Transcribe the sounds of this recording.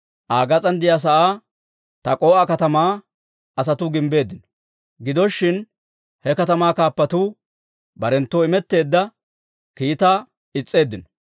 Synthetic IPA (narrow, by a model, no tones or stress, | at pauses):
ʔaːɡɐt͡sʼɐnd̪ɪjas̬ɐʔaː | t̪ɐkʼo̞ːʔɐkɐt̪ɐmaː | ɐs̬ɐt̪ʊɡɪmbe̞ːd̪ːɪnɔ̥ | ɡɪd̪ɔʃːɪn | hɛkɐt̪ɐmaːkaːpːɐt̪uː | bɐɾɛnt̪ːoːɪmɛt̪ːe̞ːd̪ːɐ | kiːt̪aː | ɪt͡sʼːe̞ːd̪ːɪnɔ̥